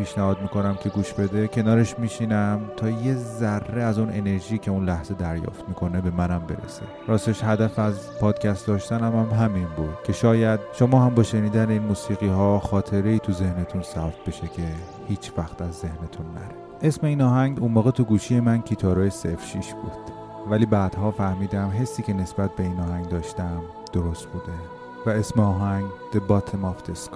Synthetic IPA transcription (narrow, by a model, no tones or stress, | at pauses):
pʰiːʃnæhɒːd̪miːkʰo̞næmcʰe̞ɡuːʃbe̞d̪ecʰe̞nɒːɾe̞ʃmiːʃinæmt̪ʰɒːjezærːeæzunʔe̞̰ne̞ɾʒiːcʰe̞unlæhz̥e̞d̪æɾjɒ̰ːft̪mikʰo̞ne̞be̞mænæmbe̞̰ɾḛsḛ | ɾɒːseʃhæd̪æfæzpʰɒːd̪̥cʰʲæst̪d̪ɒːʃt̪ænæmæmɦæminbud̪̥cʰe̞ʃɒːjæd̪̚ʃomɒːhæmbɒːʃe̞niːd̪æneiːnmuːsiːɣiːhɒːxɒːt̪ʰe̞ɾe̞iːt̪ʰuze̞hne̞t̪ʰunsæbt̪̚ʰbe̞ʃecʰe̞ | hiːt͡ʃʰvæxt̪æzːe̞hne̞t̪ʰunːæ̰ɾe | ʔe̞sme̞iːnɒːɦæŋɡunmoːɣet̪ʰuɡuːʃije̞mæncʰiːt̪ʰɒːɾɒːjesefʃiʃb̥uːd̪̥ | væliːbæːd̪̥hɒːfæɾmiːd̪æmɦe̞sːiːcʲʰe̞ne̞sb̥æt̪̚be̞iːnɒːhæŋɡd̪ɒːʃt̪æm | d̪̥oɾost̪bud̪e | væe̞smeɒːɦæŋɡd̪̥ebɒt̪ʰemɒft̪ʰeskʰ